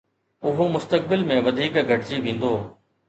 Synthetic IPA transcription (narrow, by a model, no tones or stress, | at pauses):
ʊɦomʊst̪ək̚bɪlmẽʋɐd̪ʱiːkɡʱɐʈt͡ɕiʋẽːn̆d̪oː